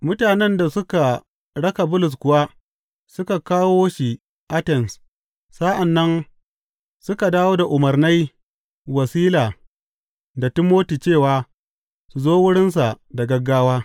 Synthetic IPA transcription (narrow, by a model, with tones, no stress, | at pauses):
mʊ˦taː˨nɛ˦nda˨sʊ˦ka˨ | ɽɐ˦ka˨bʊ˦lʊ˨s̬kʷʊ˨wa˦ | sʊ˦ka˨kaː˦woː˦ʃi˨ | ʔa˦tɛ˨ms | sa˦ʔa˨nːɐ˦n | sʊ˦ka˨daː˦woː˦da˨ʔʊ˨mɐ˨rna˦j | wɐ˨siː˦laː˨ | da˨tɪ˦mːoː˦tiː˨t͡ʃeː˦˨waː˨ | su˨zoː˦wʊ˦ɽɪ˦ns̬a˨ | da˨ɡɐ˦ɡːaː˦waː˦